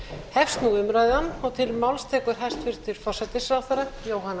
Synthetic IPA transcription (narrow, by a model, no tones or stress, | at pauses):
hɛfst̪nuʏmɾaːjðɪanːɔɣt̪ʰɪlmawlst̪ʰɛːkʏɾ̥ɦajst̪fɪɾ̥t̪ʰɪɾ̥fɔr̥sɛjt̪ɪsɾawθaɾajoːwɦanːa